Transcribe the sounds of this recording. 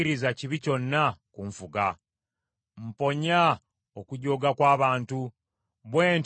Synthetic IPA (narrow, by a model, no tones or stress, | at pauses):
iɾizaciβico̞nːakuɱfuɡa | m̩po̞ɲa | okuɟo̞ːɡakwaːβaːntu | βwe̞ːnt